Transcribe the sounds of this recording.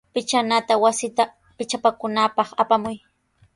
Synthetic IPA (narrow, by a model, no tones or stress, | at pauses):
pɪt͡ʃanat̪awasɪt̪a | pɪt͡ʃapakʊnapɑχapamʊj